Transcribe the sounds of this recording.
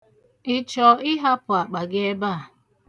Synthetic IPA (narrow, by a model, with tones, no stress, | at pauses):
ɪ˦t͡ʃɔ˨ɪ˦ɦa˦pʊ˨a˨k͡pa˨ɡɪ˦e˦ba˦a˨